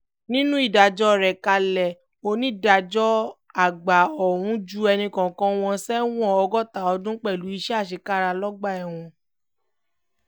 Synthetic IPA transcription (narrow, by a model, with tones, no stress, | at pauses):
nĩ˦nũ˦i˦˨da˨d͡ʒɔ˦˨ɾɛ˨ka˧lɛ˨ | o˧nĩ˦˨da˨d͡ʒɔ˦ | a˦˨ɡ͡ba˨ɔ˨w̃ũ˨˦d͡ʒu˦ɛ˧nĩ˧kã˨kã˧w̃ɔ̃˧sɛ˦w̃ɔ̃˦˨ɔ˧ɡɔ˦˨ta˨ɔ˧dũ˦k͡pɛ˦˨lu˨˦i˧ʃɛ˦a˦˨ʃ̬e˧˦ka˦ɾa˧lɔ˦ɡ͡ba˦˨ɛ˨w̃ɔ̃˧